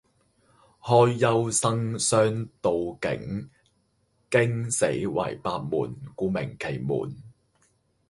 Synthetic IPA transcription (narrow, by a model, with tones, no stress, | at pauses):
hɔː˧jːɐ˧˥wsɐ˥ŋsœː˥ŋt̪o˨wkɪ̰˨˥ŋ | kɪ˥ŋsḛ˨˥jwɐ̰˨˩jpaː˧k̚mṵː˨˩nkuː˨˧mɪ˨˩ŋkʰe˨˩jmṵː˨˩n